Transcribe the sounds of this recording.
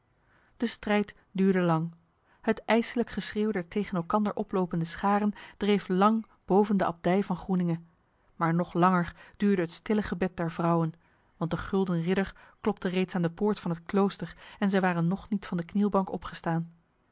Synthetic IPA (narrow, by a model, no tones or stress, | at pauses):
d̥əstrɛjt | dyːɹdəlɑŋ | hətɛjsələkχəsreːwdɛɹtejχənɛlˠkɑndəɹʔɔplowpəndəsχaːrənd̥rejflɑŋ | b̥owvəndəʔɑ̰b̚dɛjvɑnχrunɪŋə | maːɹnɔχlɑŋəɹd̥yːɹdəɦətstɪləχəbɛt̚dɛɹvrɑwən | ʋɑnt̚dəχɵlˠdənrɪdəɹklɔp̚tərejtsaːndəpʊːɹtfɑnɦətklowstəɹɛnzɛjʋaːrənːɔχnitfɑndəknilˠbɑŋkɔpχə̥staːn